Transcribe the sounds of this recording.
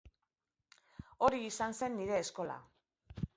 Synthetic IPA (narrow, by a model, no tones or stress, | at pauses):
o̞ɾiːsanse̞nːiɾe̞ːsko̞la̰